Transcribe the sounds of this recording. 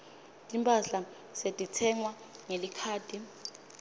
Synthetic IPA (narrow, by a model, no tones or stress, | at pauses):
tʼimpʰʼaɬa | setʼitʰɛŋwa | ŋelikʰaːd̥ʱi